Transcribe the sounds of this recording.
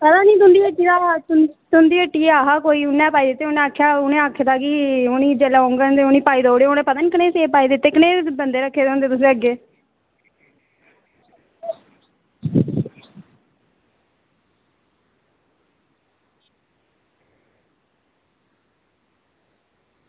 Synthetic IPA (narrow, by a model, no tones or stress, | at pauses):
pət̪ãːnĩːt̪ʊnd̪iːəʈːiːd̪aːt̪nt̪ʊnd̪iːəʈːiːeːaːɦaːkoːiːʊnːɛ̃ːpaːiːd̪ɪt̪ːeːʊnɛ̃ːakʰːjaːʊnẽːaːkʰːeːd̪aːkɪʊnĩːd͡ʒeːlaõːŋɡənd̪eʊnĩːpaːiːd̪oːɽeːʊnẽːpəd̪ənkəneːseːpaːiːd̪ɪt̪ːeːkɪneːbənd̪eːɾəkʰːeːd̪eõːnd̪eːt̪ʊs̬ẽːəɡːeː